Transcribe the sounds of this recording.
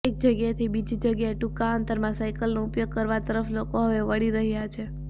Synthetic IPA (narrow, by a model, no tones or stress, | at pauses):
ek̚d͡ʒəɡjat̪ʰibid͡ʒid͡ʒəɡjaeʈukaənt̪əɾmãsajkəlnoupjoɡ̚kəɾʋat̪əɾəflokoɦəʋeʋəɽiɾəɦjat͡ʃʰe